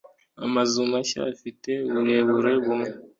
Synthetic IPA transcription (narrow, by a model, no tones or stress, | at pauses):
amazumaʃa̰fite̞βuɾe̞βuɾe̞βumŋe